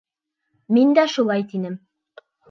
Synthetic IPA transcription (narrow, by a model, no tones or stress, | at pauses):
mind̪æʃulˠɑjt̪inɘm